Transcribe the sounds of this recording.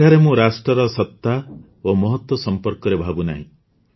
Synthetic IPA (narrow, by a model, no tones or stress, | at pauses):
aɾemũɾasʈɾɔɾɔsɔt̪ːa | omɔɦɔt̪wɔsɔmpɔɾkɔɾebʱabuna̰ɦḭ̃